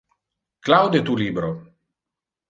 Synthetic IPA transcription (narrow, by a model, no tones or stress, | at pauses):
klawd̪jɛt̪ulʲiːbɾɔ